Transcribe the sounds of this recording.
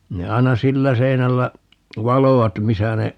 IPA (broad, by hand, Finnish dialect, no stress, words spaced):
ne ɑi̯nɑ silːæ seinælːæ ʋɑloʋɑt misæ ne